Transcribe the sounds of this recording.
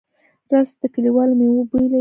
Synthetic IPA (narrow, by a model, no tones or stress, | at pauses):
ɾɑsd̪̥əkaliwɑlmewubula